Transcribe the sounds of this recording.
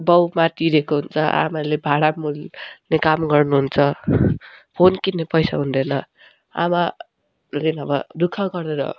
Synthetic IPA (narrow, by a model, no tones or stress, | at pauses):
bʌwmat̪iɾekoɦunt͡sʰʌʔa̰malebʱaɽamulnekamɡʌrnuɦunt͡sʰʌ | pʰonkinnːepʌjsa̰ɦund̪ʌnʌ | a̰ma | lenʌbʌd̪ukʰaɡʌreɾʌ̰